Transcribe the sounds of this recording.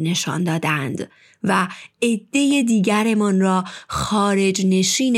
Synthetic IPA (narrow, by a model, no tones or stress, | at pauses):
ne̞ʃɒ̰nd̪ɒːd̪ænd̪̥ | væed̪̥ːe̞jed̪iːɟæɾe̞mɒnrɒːxɒːɾe̞d͡ʒne̞ʃiːn